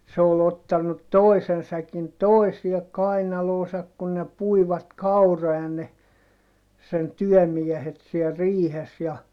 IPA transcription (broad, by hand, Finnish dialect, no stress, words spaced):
se ol otːɑnːut toi̯sen sækin toisiɛ kɑinɑloːsɑk kun ne puiʋɑt kɑuroɑ ne sen tyœˑmiehet siel riːhes jɑ